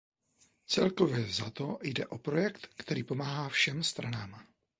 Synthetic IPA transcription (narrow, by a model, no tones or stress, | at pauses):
t͡sɛlko̞vjɛzat̪ojdɛʔo̞pɾo̞jɛkt̪kt̪ɛɾiːpo̞maːɦaːfʃɛmst̪ɾanaːm